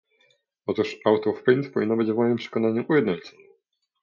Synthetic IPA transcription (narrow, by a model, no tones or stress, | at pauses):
ɔt̪uʂawt̪ɔfpɾint̪pɔvʲinːɔbɘd͡ʑvmɔjimpʂɛ̥kɔnaɲuʔujɛd̪nɔɲt͡ss